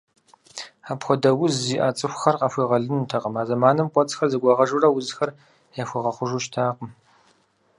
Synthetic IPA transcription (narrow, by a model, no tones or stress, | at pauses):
aːpxʷɔdɐwʊzːiːʔaːt͡sʼɨxʷxɐrqɐfʷiːʁɐɮɨnutʰɐqəmaːzɐmaːnɨmqʷʼɔt͡sʼxɐrzɨɡʷɑʁɐʒurɐwʊzxɐr | jaxʷiʁɐχʷʊʒuʃtʰaːqəm